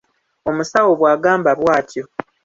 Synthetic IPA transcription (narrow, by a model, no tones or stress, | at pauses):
o̞musawoβwaːɡaːmbaβwaːtʰjo̞